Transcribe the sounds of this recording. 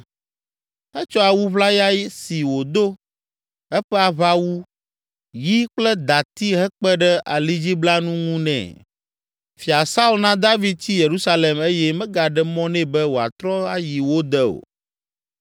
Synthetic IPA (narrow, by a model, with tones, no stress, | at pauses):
ɛ˦t͡ʃɔ˦a˨wu˦βla˦ja˦ji˦si˨wo˨d̪o˦ | ɛ˦ɸɛ˦a˨βa˦wu˦ | ji˦k͡plɛ˦d̪a˨t̪i˦ɦɛ˦k͡pɛ˦ɖɛ˦ʔa̰˨li˦d͡ʑi˦bla˦nũ˦ŋũ˦nɛ̰̃˨ | fi˨a˨sa˦u˦lnã˦d̪a˦vi˦d̪̚t͡ɕi˦je˨ɾu˦sa˦le˨me˦jɛ˦mɛ̃˦ɡa˨ɖɛ˦mɔ̃˦nɛ̃˦bɛ˦wo˨a̰˨t̪ɾɔ˦a˦ji˨wo˦d̪ɛ˦o̰˨